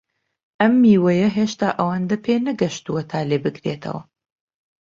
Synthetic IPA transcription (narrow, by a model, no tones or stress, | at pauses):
ʔɐmːiːwɐjɐɦeːʃt̪aːʔɐwand̪ɐpʰeːnɐɡɐʃt̪uwɐt̪ʰaːleːbɨkʰɾeːt̪ʰɐ̰wɐ̰